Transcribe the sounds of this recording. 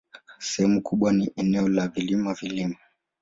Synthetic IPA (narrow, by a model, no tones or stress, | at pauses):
sɛhɛmukuɓwaniʔɛnɛɔlavilimavilima